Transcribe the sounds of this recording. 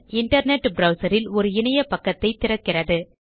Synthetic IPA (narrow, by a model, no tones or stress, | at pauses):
ɪɳʈɐɾneʈːbɾɐʊsɐɾɪlɔɾɯɪnɐjɐpɐkːɐt̪ːɐɪt̪ːɪrɐkːɪrɐðɯ